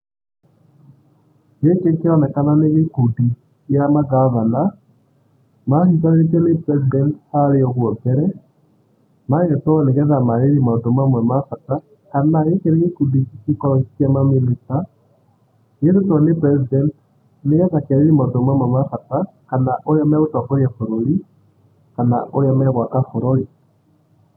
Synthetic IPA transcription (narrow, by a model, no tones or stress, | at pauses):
jekekeɾɔnɛkananeɣekudi | jamaɡavana | mahit̬aɾeet̬ɛnepɾɛz̬idɛnthaɾeɔɣwɔbɛɾɛ | maɣɛtɔɔneɣɛðamaɾeɾimadomamwɛmafata | kanajekeɾɛɣekudikikikɔɾɔkitamaminita | jeðetɔnepɾɛzidɛnt | neɣɛðakɛɾeɾimadomamwɛmafata | kanaʔoɾjamɛɣotwakoɾjafoɾoli | kana̰ʔoɾjamɛɣwakafoɾɔɾi